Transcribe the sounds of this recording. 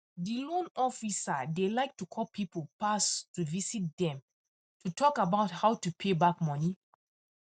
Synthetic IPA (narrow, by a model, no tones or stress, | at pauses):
dilõnɔfisadelaɪk̚tukʰɔlpʰipolpastuvisit̚dɛ̃m | tʰutʰɔkabaʊthaʊtupʰebakmɔni